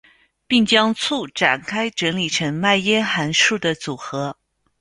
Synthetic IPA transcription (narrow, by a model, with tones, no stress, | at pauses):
pi˥˩ŋt͡ɕjɑ˥ŋt͡sʰu˥˩ʈ͡ʂa̰˨˩nkʰa˥ɪʈ͡ʂə˧˥ŋli˨˩ʈ͡ʂʰɤ˧˥ŋma˥˩ɪjɛ˥xa˧˥nʂu˥˩d̪ə˩t͡su˨˩xɤ˧˥